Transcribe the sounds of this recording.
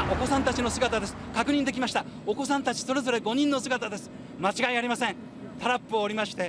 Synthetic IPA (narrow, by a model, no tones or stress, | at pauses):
ʔo̞ko̞sãnt̪at͡ɕino̞sɨɡat̪ad̪e̞sɨ̥kakɯ̟ɲ̟ĩnd̪e̞kʲimaɕi̥t̪ao̞ko̞sãnt̪at͡ɕi̥so̞ɾe̞zo̞ɾe̞ɡo̞ɲ̟ĩnːo̞sɨɡat̪ad̪e̞sɨ̥ | mat͡ɕiɡaiaɾʲimasẽ | t̪aɾapːɯ̟oːɾʲimaɕi̥t̪e̞